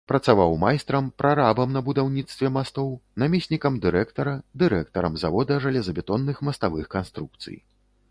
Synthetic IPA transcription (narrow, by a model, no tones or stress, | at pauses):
pɾɐt̪savawmajst̪ɾɐmpɾʔaɾabɐmnɐbud̪awnʲit̪st̪vʲɛmast̪ɔwnamʲesʲnʲikɐmd̪ɨɾɛkt̪ɐɾɐd̪ɨɾɛk̚t̪ɐɾɐ̰mzavɔd̪ɐʐalʲɛzɐbʲɛt̪ɔnːɨxmɐst̪avɨxkanst̪ɾuk̚t̪sɨ̰j